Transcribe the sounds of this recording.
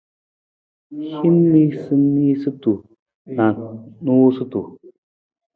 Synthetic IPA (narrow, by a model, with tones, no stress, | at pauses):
hi˦nː˦i˦sɨ˦mi˦sɨ˦tu˨ | na˨nu˦sɨ˦tu˨